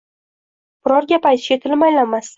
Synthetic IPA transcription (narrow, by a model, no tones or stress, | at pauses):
b̥ʊɾɒɾɡʲapajt̪ʰɪʃat̪ʰɪlmajlanmas